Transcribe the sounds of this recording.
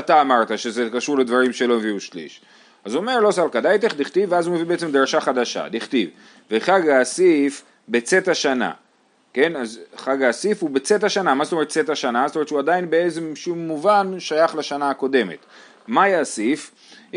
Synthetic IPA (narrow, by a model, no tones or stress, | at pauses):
at̪aːmaʁt̪aʃe̞zekaʃuʁled̪vaʁimʃe̞lo̞meviuʃlḭʃ | azuome̞ʁlo̞salkad̪ajt̪eχdiχt̪iveazume̞vibeet͡semd̪ʁaʃaχad̪aʃa̰diχt̪iv | veχaɡaːsif | be̞t͡se̞t̪aʃana̰ | ke̞nazχaɡaːsifubet͡sethaʃanamazt̪oe̞et̪̚t͡set̪haʃanazt̪ometʃuad̪ainbeet͡semʃumːuvanʃajaχlaʃanaako̞d̪e̞me̞̰t̪ | majasif